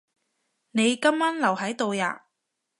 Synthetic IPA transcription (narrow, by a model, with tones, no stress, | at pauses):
ne˨˧jkɐ˥mːaː˥nlɐ˨˩whɐ˨˥jt̪o˨˧wja̰ː˨